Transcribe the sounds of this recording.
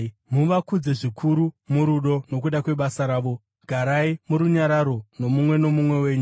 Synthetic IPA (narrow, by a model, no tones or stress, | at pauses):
muʋakud͡ze̞ʐikʰuɾumuɾuɗo̞no̞k̬uɗakwe̞ɓasaɾaːʋo̞ | ɡʱaɾaimuɾuɲaɾaɾo̞no̞mumwe̞no̞mumwe̞we̞ːɲu